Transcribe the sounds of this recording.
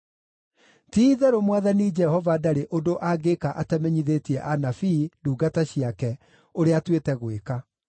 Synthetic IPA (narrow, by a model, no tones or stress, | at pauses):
tiðɛɾomwaðanid͡ʒɛhɔvadaɾeʔondoʔaɡekaʔatɛmɛɲiðetiɛʔanafiduːɡataɕiakɛ | oɾeatwetɛɣweka